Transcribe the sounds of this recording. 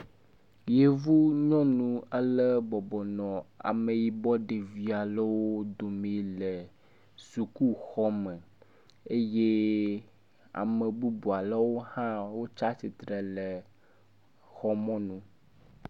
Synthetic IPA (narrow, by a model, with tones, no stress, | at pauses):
je˨vu˦ɲɔ̃˦nũ˦ə˦lə˦bɔ˨bɔ˨nɔ̃˨a̰˨me˨ji˨bɔ˦ɖe˨vi˨a˨lə˦wo˦d̪o˨mĩ˨lə˨ | su˨ku˦xɔ˦mə˨ | e˦je˦ | a̰˨me˨bu˦bu˨a˨lə˦wo˦hã˦wo˦t͡ʃa˦si˨t̪ɾe˨le˨ | xɔ˦mɔ̃˦nũ˦